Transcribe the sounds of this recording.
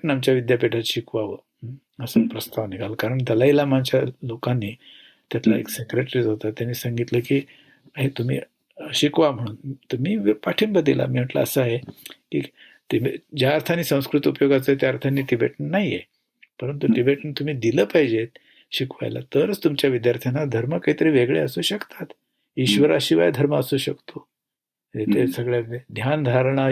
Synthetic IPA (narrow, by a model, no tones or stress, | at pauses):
ʈnamt͡ɕjaʋid̪japeʈʰat̪ɕikʋaʋə | əsəpɾəst̪aʋniɡʱalkaɾəɳt̪alailamant͡ɕjalokanːiː | t̪jat̪laḛksekɾeʈɾiːt͡sɦot̪at̪janiːsəŋɡit̪ləːkiː | aɦet̪um̤ḭː | ɕikʋam̤əɽ̃uːnt̪əɾmiːpaʈʰiːnbəd̪ilʔa̰miːm̤əʈlə̰əsəaɦeḭ | t̪ed͡ʑjaːɾt̪ʰaniːsə̃w̃skɾut̪upjoɡat͡səːet̪jaːɾt̪ʰanːiːʈibḛʈnnaɦije | pəɾənt̪uʈibeʈnit̪um̤iːd̪iləːpaɦjd͡ʑet̪ | ɕikʋa̰jla̰t̪əɾət͡st̪umt͡ɕjaʋid̪jaɾt̪ʰjanad̪ʱəɾməkaɦit̪əɾiːʋeɡɭḛəsuːɕəkt̪at̪ | iɕʋəɾaɕiʋa̰jd̪ʱəɾməəsuːɕəkt̪ʰo | d͡ʑet̪ʰesəɡɭjaed̪ʱjand̪ʱaɾɳ̃a